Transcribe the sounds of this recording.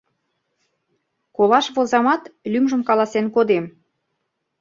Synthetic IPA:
kolɑʃβozɑmɑt̪lymʒəmkɑlɑsenkod̪em

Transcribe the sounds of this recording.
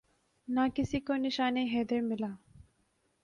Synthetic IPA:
nakisikoniʃaːneɦed̪eɾmɪlaː

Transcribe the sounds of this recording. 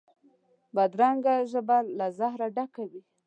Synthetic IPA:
bad̪ɾaŋɡaʒəbalazahɾaɖakawi

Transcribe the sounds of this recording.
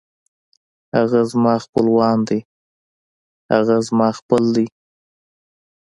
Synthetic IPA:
haɣazmɑxpəlwɑnd̪i | ha̰ɣazmɑxpəld̪i

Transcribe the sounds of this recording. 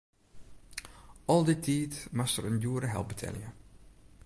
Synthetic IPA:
ɔlˠdɪtʰːiːtmastəɾənjuəɾəɦɛ̰lˠp̚bətʰɛ̰ljə

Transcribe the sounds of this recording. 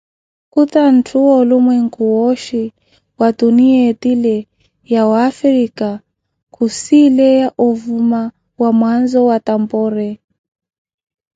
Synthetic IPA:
kutan̩tʰuɔlumwɛŋ̩kuɔʃi | watuniatilɛ | jawːfɾika | kʰusilɛjaʔuvuma | wamwanzɔwatambɔɾɛ

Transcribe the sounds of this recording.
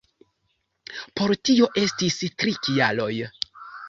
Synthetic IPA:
po̞ɾtio̞ʔe̞stistɾikialo̞j

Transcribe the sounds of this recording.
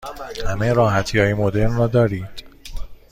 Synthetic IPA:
hæmejɾɒːɦæt̪ʰiɒːjemod̪e̞ɾnrɒːd̪ɒːɾiːd̪̥

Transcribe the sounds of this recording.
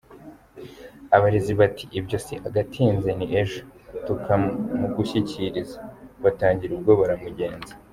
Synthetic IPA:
aβaɾeziβatʰi̥ʔibɟo̞siʔaɡatʰiːnzeniʔeʒotukamuɡuɕiciɾizaβataːɲɟiɾub̚ɡo̞βaɾamuɟe̞ːnze̥

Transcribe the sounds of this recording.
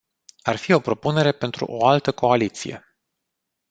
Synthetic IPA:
arfio̞pɾo̞pune̞ɾe̞pe̞nt̪ɾṵʔo̞alt̪əko̞alit̪sḭje̞̰

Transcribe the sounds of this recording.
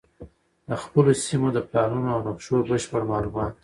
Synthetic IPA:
d̪əxpəlosimod̪əplɑnunoawnaqʃobəʃpəɽmɑlumɑt̪̚

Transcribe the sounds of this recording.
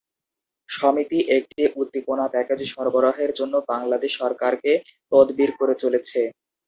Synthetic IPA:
ʃɔmit̪iʔek̚ʈiʔut̪ːiponapɛked͡ʑiʃɔɾboɾoɦeɾd͡ʑonːobaŋlad̪eʃɔɾkaɾke | pɔd̪biɾkoɾet͡ɕolet͡ɕʰe

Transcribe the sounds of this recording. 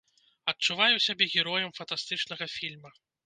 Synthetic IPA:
ɐt̚t͡ʂuvajuwsʲabʲɛɣʲɛɾɔjɐmfɐnt̪ast̪ɨt͡ʂnɐɣɐfʲilʲmɐ

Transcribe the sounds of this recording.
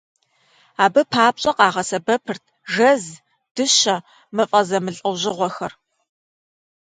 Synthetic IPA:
aːbɨpʰaːp̚ɕʼɐqɑːʁɐsɐbɐpʰɨrtʰʒɐz | d̥ɨɕɐ | mɨfʼɐzɐmɨɬʼɐwʑɪʁʷɔxɐr

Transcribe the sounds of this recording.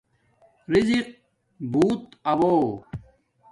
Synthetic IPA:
ɾiziq̚ | buːt̪ɐwoː

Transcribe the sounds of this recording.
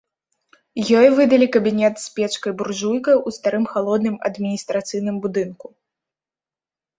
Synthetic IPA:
jɔjvɨd̪ɐlʲikɐbʲinʲɛt̪sʲpʲɛt͡ʂkɐjburʐujkɐjust̪aɾɨmxalˠɔd̪nɨmɐ̰d̪mʲinʲist̪ɾat̪sɨjnɨmbud̪ɨnku

